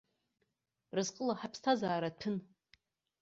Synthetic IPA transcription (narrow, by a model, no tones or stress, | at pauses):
rɨzqʼəlaħapʰstʰazaːɾatʰɨn